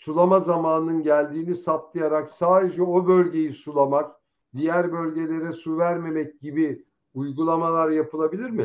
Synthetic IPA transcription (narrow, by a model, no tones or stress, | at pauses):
sulˠamazamaːnɯnɯnɟælʲd̪iːnisat̪lˠɯjaɾaksaːd̪e̞d͡ʒɛo̞bø̞lʲɟe̞jisulˠamak̚ | d̪̥ijæɾbø̞lʲɟe̞lʲe̞ɾɛsuvæɾme̞mɛc̚ɟibi | ujɡulˠamalˠaɾjapʰɯlˠabilʲiɾmɪ